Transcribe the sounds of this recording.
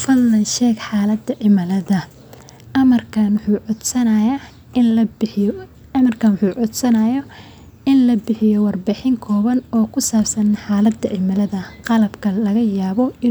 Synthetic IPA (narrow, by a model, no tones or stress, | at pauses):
fɐdlɐnʃɛːɡħaːlɐd̪ɐʕɪmɐlɐðɐ | ɐmɐrkʰɐnwħuːʕʊd̪sɐnɐjaː | ɪlɐb | ɐmɐrkʰɐnwħuːʕʊd̪sɐnɐjɔ | ɪnlɐbɪħɪjɔwɑrbɪħɪŋkʰɔːβɐnɔːkʰʊsaːbsɐnħaːlɐd̪ɐʕɪmɐlɐðɐqɑlɐbkʰɐlɐɣɐjaːβɔɪ